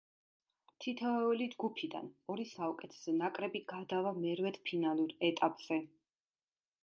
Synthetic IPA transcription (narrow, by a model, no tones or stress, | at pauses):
t̪ʰit̪ʰɛɛulid͡ʒɡupʰid̪a̰nɔɾisaɔkʼɛt̪ʰɛ̥sɛnakʼɾɛbiɡad̪avamɛɾvɛt̪pʰinalˠuɾɛt̪ʼapʼz̥ɛ